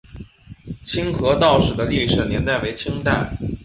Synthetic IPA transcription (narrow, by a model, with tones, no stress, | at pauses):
t͡ɕʰi˥ŋxɤ˧˥t̪ɑ˥˩ʊʂɻ̩˨˩d̪ə˦li˥˩ʂɻ̩˨˩njɛ˧˥nt̪a˥˩ɪwe˧˥ɪt͡ɕʰi˥ŋt̪a˥˩ɪ